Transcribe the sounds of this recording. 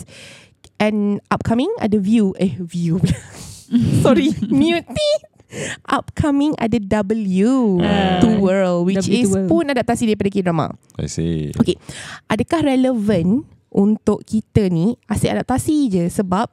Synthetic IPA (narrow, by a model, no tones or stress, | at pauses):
ʔɛ̃nʔap̚kʰamɪ̃ŋa̰dəvjuʔɛvjublassɔɾimjut̪i | ʔap̚kʰamɪ̃ŋa̰dədabəljut̪uwəlwit͡ʃispʊnadap̚t̪asidaɾipadakedɾama̰ | a̰jsḛokeʔadakahɾɛləvə̃n | ʔunt̪ʊʔkit̪əniaseʔadap̚t̪asid͡ʒəsəbap̚